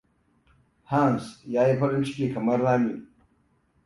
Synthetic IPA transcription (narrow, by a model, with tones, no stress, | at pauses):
haːnsjaː˦je˦pɐ˦ɾi˦nt͡ʃi̥ke˨kʰɐ˨mɐ˦ɾːaː˦mi˨